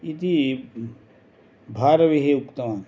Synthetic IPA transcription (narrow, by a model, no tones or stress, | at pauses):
it̪i | bʱaːɾɐʋiɦeukt̪ɐmaːn